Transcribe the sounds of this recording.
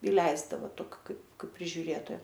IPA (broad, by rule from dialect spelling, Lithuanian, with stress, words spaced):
ɪˈlʲɛɪzdɐʋɐ ˈtoːkʲɪ ˈkɐɪp ˈkɐɪp pʲrʲɪʒʲʊˈrʲeːtoːjɛ